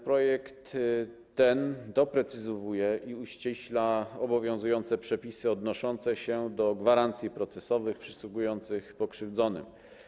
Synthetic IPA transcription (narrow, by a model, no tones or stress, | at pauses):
pɾɔjɛkt̪ː | ɛnd̪ɔpɾɛt̪sɘzɔvujɛʔiuɕt͡ɕɛɕlaɔbɔvʲjɔ̃w̃zujɔnt̪sɛpʂɛpʲisɘɔd̪nɔʂɔnt̪sɛɕɛd̪ɔɡvaɾant̪sʲjipɾɔt̪sɛsɔvɘxpʂɘswuɡujɔnt̪sɘxpɔkʂɘvd̪zɔnɘ̰m